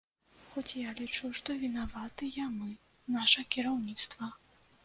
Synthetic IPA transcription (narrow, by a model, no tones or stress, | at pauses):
xɔt͡sʲjalʲit͡ʂuʂt̪ɔvʲinavat̪ɨjamɨ | naʂɐkʲiɾawnʲit̪st̪vɐ